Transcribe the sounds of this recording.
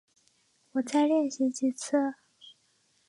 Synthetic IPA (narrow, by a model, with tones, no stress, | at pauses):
wɔ˨˩t͡sa˥˧ɪljɛ˥˩nɕi˧˥t͡ɕi˥˩t͡sʰɤ˥˩